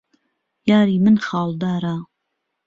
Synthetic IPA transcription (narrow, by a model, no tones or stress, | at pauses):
jɑːɾiːmɨnxɑːld̪ɑːɾaː